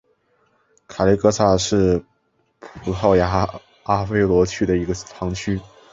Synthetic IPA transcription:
kʰa˨˩li˥kɤ˥t͡sʰa˥˩ʂɻ̩˥˩ | pʰu˨˩˥xɑ˥˩ʊja˧˥ | a˥fe˥ɪlwɔ˧˥t͡ɕʰy˥d̪ə˨i˧˥ɡə˧tʰɑ˧˥ŋt͡ɕʰy˥

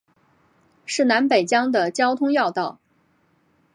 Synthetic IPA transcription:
ʂɻ̩˥˩na˧˥npe˨˩ɪt͡ɕjɑ˥ŋd̪ə˨t͡ɕjɑ˥ʊt̪ʰʊ˥ŋjɑ˥˧ʊt̪ɑ˥˩ʊ

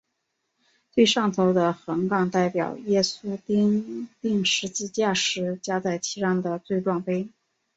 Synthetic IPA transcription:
t͡swe˥˧ɪʂɑ˥˩ŋt̪ʰo˧˥ʊd̪ə˧xə˧˥ŋkɑ˥˩ŋt̪a˥˩ɪpjɑ̰˨˩ʊjɛ˥su˥t̪ŋt̪i˥˩ŋʂɻ̩˧˥t͡ɕi˥˧t͡ɕja˥˩ʂɻ̩˧˥t͡ɕja˥t͡sa˥˩ɪt͡ɕʰi˧˥ʂɑ˥ŋd̪ə˨t͡swe˥˧ɪʈ͡ʂwɑ˥˩ŋfe˥ɪ

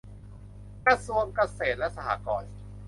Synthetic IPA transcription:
kɾa˧su˧əŋka˧seː˨˩t̪̚lɛ˦˥ʔsa˧ha̰ː˨˩˦kɔː˨˩n

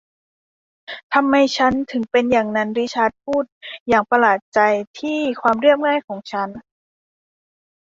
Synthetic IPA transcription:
t̪ʰa˧mːa˧jt͡ɕʰa˦˥nt̪ʰɯ˩˦ŋpe˧njaː˨˩ŋna˧˥nɾi˦˥t͡ɕʰaː˧˥t̪̚pʰuː˥˩t̪̚jaː˨˩ŋpa˧laː˨˩t̪̚t͡ɕa˧jt̪ʰiː˥˩kʰwaː˧mɾɯ˥˩əp̚ŋaː˥˩jkʰɔː˩˦ŋt͡ɕʰa˦˥n

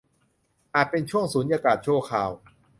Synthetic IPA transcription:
ʔaː˨˩t̪̚pe˧nt͡ɕʰu˥˩əŋsuː˨˩˦njaː˧kaː˨˩t̪̚t͡ɕʰu˥˩əkʰaː˨˩w

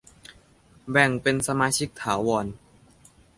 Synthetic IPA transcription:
bɛ˨˩ŋpe˧nsa˧maː˧t͡ɕʰi˦˥k̚t̪ʰaː˩˦wɔː˧n

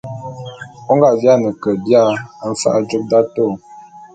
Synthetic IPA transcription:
o˦ŋɡa˨ʔdja˦˨nə˨kə˨dja˦˨˦ɱ̩˦fa̰˦ʔa˦d͡ʒu˦k̚da˦to˦˨

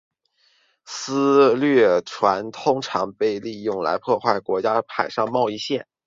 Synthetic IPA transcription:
sɹ̩˥lɥɛ˥˩ʈ͡ʂʰwa˧˥nt̪ʰʊ˥ŋʈ͡ʂʰɑ˧˥ŋpe˥˧ɪli˥˧jʊ˥˩ŋla̰˧˥ɪpʰwɔ˥˧xwa˥˩ɪkwɔ˧˥t͡ɕja˥pʰa˨˩ɪʂɑ˥˧ŋmɑ˥˧ʊi˥˧ɕjɛ˥˩n

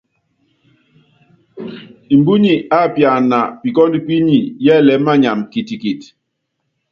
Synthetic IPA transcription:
i˨mbu˦ɲi˦˨a˦˨pja˨na˨pi˨kɔ˦ndi˦˨pi˦ɲi˨jɛ˦˨lɛ˨˦ma˦ɲa˨mki˨ti˨ki˨t

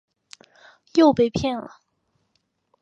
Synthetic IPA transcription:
jo˥˧ʊpe˥˧ɪpʰjɛ˥˩nlə˨

